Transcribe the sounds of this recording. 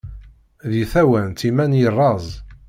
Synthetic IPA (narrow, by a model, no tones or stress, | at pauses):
ðiθæwænt̪imænjərˤːɑzˤ